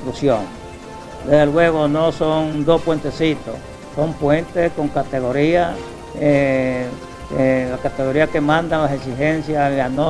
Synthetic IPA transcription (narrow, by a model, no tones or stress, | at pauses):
t̪ɾusjoŋ | d̪eðelwe̞ɣ̞onosond̪o̞spwe̞nt̪esit̪o | so̞mpwent̪esko̞ŋkat̪eɣo̞ɾia | e | elakat̪eɣo̞ɾiakemãnd̪alaseksixensjaano